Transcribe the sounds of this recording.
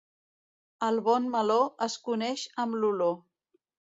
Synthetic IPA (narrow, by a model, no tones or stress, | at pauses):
əlˠβɔnməloəskunɛʃəmlulo